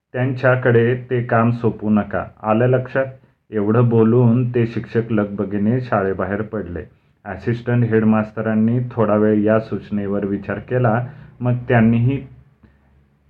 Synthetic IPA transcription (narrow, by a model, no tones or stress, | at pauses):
t̪jaɲt͡ɕjakəɽet̪ekamsopuːnəka̰alələkʂat̪̚ | eʋɽ̤əːboluːnt̪eɕikʂəkləɡ̚bəɡineɕaɭebaɦeɾpəɽlḛ | əsisʈəɳʈɦeɽmast̪ʰəɾanːiːt̪ʰoɽaʋeɭjasut͡ɕneʋəɾʋit͡ɕaɾkelaməɡt̪janːiːɦiː